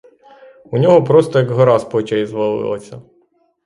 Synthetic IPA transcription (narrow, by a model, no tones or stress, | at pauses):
unʲɔɦɔpɾɔst̪ɔjɐɡɦɔɾɑspɔt͡ʃɐizʋɐlˠɪ̰lˠɐ̰sʲɐ